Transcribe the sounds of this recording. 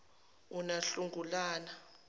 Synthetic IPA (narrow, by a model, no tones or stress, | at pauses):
unaɬuŋɡʱulaːna